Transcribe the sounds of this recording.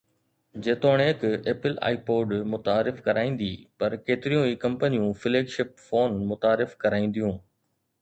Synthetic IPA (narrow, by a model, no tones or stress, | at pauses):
d͡ʑeːt̪oːɽ̃eːkeːpɪla̰ːipoːɖmʊt̪aːɾɪfkɐɾaːĩːn̆d̪iːpɐɾkeːt̪ɪɾijũiːkɐ̃mpənijũfɪleːɡʃɪp̚foːnmʊt̪aːɾɪfkɐɾaːĩːn̆d̪ijũː